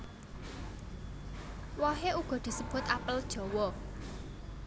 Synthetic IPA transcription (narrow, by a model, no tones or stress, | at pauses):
wɔɦeuɡ̥ɔ̤d̪̥i̤səb̥ʊ̤t̪apəld̥ʒ̥ɔ̤wɔ